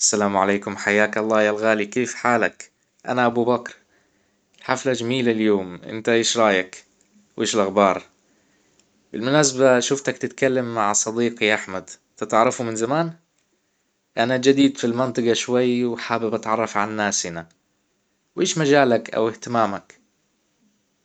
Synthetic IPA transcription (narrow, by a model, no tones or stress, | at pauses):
ʔḁsːalaːmʕaleːkʊmħajːaːkɑlˤːɑːjalɣaːlikeːfħaːlak | ʔa̰naʔabubakɾˤ | ħaflad͡ʒamiːlaljoːmʔɪ̰nt̪aʔeːʃɾˤɑːjak | wʔeːʃɪlʔaxbɑːɾˤ | bɪlmʊnaːs̬abaʃʊft̪akt̪ɪt̪kalːamːaʕsˤɑd̪iːqiʔaħmad̪ | t̪ɪt̪ʕɑɾˤɑfumɪnzamaːn | ʔanad͡ʒad̪iːd̪filmɪnt̪ˤɑɡɑʃwajːwħaːbɪbʔat̪ʕɑrˤːɑfʕanːaːsɪna | wʔeːʃmad͡ʒaːlakʔa̰wɪht̪ɪmaːmak